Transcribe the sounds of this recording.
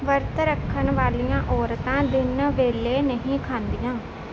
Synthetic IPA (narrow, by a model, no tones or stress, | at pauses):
ʋəɾt̪əɾəkʰːənʋaːlijãːʔɔːɾt̪ãːd̪ɪnʋeːleːnəɦĩːkʰãːnd̪ijãː